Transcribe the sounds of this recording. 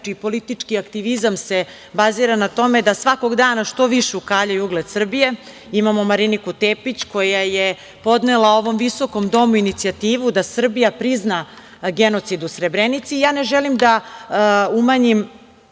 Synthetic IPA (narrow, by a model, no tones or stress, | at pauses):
ipo̞lit̪it͡ʂkiakt̪iʋizamse̞ | baziɾanat̪o̞me̞d̪asʋako̞ɡd̪aːnaʂt̪o̞ʋiʃeukaːʎajuɡlˠed̪sr̩bije̞ | imamo̞maɾinikut̪epit͡ɕko̞jaje | po̞d̪nelao̞ʋo̞mʋiso̞ko̞md̪o̞muinit̪siat̪iːʋud̪asr̩bijapɾizna | ɡe̞no̞t̪sid̪usɾebɾenit̪sijaːne̞ʒelimd̪a | umaɲim